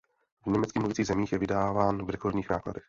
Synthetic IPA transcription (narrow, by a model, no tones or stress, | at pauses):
vɲɛmɛt͡skiːmluvɪt͡siːɣzɛmiːxjɛvɪdaːvaːnvɾɛkoɾdɲiːxnaːkla̰dɛx